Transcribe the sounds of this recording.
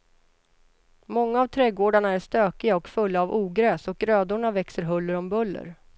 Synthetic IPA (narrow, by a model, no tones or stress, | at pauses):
mɔŋːaavt̪ʰɾɛɡoːɖaɳaæʂt̪øːkɪɡaɔkfɵlːaːvʔuːɡɾøːsɔkɾøːd̪ʊɳavɛksəɾɦɵlːəɾɔmbɵlːə̰ɾ